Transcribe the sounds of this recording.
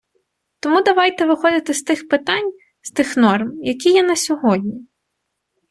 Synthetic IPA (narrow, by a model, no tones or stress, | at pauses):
t̪ɔmud̪ɐʋɑjt̪ɛʋɪxɔd̪ɪt̪ɪst̪ɪxpɪt̪ɑnʲ | st̪ɪxnɔrmjɐkʲijɛnɐsʲɔɦɔdʲnʲi